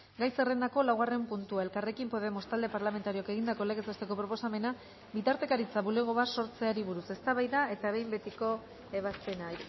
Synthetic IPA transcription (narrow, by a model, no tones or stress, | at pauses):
ɡajse̞re̞nd̪ako̞lawɣare̞mpunt̪uae̞lkare̞kimpo̞ðe̞most̪ald̪e̞paɾlame̞nt̪aɾio̞ake̞ɣind̪ako̞le̞ɣesast̪e̞ko̞pɾo̞posame̞na | bit̪aɾt̪e̞kaɾit͡saβule̞ɣ̞o̞βaso̞ɾt͡se̞aɾiβuɾuse̞st̪aβajðae̞t̪aβe̞jmbe̞t̪iko̞ | eβaspe̞na